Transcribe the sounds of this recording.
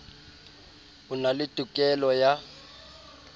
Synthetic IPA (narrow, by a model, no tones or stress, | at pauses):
unalɪd̥ʱʼukʼɛlɔja